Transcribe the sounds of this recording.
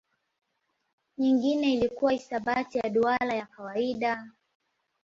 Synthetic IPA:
ɲiŋɡinɛilikuwaisaɓatijaɗualajakawaiɗa

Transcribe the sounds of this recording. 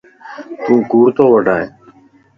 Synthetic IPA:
t̪ũːkuːɽt̪oːʋəɖʱaːeː

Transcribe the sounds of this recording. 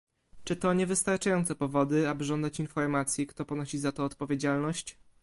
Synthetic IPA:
t͡ʂɘt̪ɔɲɛvɘst̪aɾt͡ʂajɔnt̪sɛpɔvɔd̪ɘabɘʐɔnd̪at͡ɕinfɔɾmat̪sʲjɛkt̪ɔpɔnɔɕizat̪ɔːt̪pɔvʲjed͡ʑalnɔɕt͡ɕ

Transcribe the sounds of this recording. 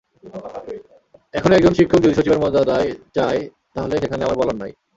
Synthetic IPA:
ɛkʰonoɛk̚d͡ʑonʃikʰːok̚d͡ʑut̪iʃot͡ɕibeɾmɔd͡ʑad̪aet͡ɕae | t̪aɦoleʃekʰaneamaɾbɔlanːaj

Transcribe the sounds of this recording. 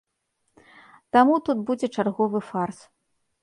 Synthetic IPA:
t̪amut̪ut̪bud͡zʲɛt͡ʂarɣɔvɨfars

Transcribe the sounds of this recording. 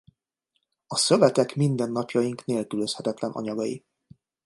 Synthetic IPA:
ɒsø̞vɛt̪ɛkmind̪ɛnːɒpjɒjiŋkneːlkyløshɛt̪ɛt̪lɛnʔɒ̰ɲɒɡɒjḭ

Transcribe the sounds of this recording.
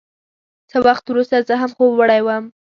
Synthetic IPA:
səwaxt̪wɾust̪azəɦamxobwəɽajwəm

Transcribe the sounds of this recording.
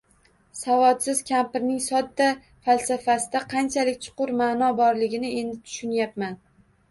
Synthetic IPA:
savɒt̪sɪzkʲʰampɪɾnɪŋsɒd̪ːa | falsafasɪd̪aqʰɑnt͡ʃʰalɪkʲt͡ʃʰʊ̥qʊɾmaːnɒbɒɾlɪɡʲɪnɪe̞nd̪ɪt̪ʰʊ̥ʃʊnjapman

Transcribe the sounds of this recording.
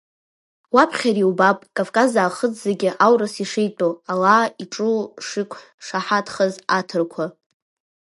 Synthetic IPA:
wapʰχʲaɾiwbapʼkʼavkʼazaːχəd͡zzaɡʲɪʔawrasiʂejtʼoalaːiʈ͡ʂʼuʂikʷʰʼħ | ʂaħatʰχəzatʰɨrkʷʰa

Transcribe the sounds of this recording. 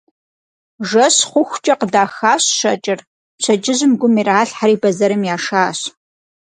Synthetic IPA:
ʒɐɕχʷʊxʷt͡ʃʼɐqədaːxaːɕʃɐt͡ʃʼɪr | ɕʷʰɐt͡ʃʼɪʑɪmɡʷʊmiːraːɬħaɾiːbɐzɐɾɨmjaːʂaːɕ

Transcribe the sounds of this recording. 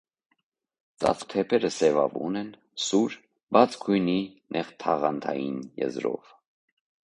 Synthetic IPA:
t͡sɑ̰t͡st̪ʰɛpʰɛɾəsɛvɑvunɛn | suɾ | bɑt͡sʰkʰujninʔɛχt̪ʰɑʁɑnt̪ʰɑjḭnjɛ̰zɾɔ̰v

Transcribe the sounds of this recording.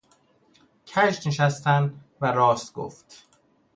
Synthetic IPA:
cʰæʃneʃæst̪ænd̪ | væɾɒːst̪ɡ̥o̰ft̪

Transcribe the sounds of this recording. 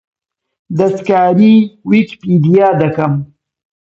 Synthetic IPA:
d̪ɐskaːɾiwikpiːd̪ijaːd̪ɐkɐm

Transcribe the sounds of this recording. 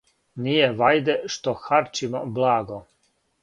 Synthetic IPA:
nijeʋajd̪ɛʃt̪oxaɾt͡ʃimablaːɡo

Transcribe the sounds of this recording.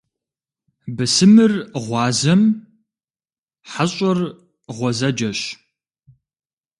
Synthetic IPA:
bɨsɨmɨrʁʷɑːzɐm | ħaɕʼɔr | ʁʷɔzɐd͡ʒɐɕ

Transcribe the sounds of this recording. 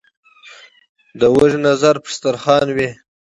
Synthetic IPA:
d̪əwəʒnazaɾpə̥st̪aɾχɑnwi

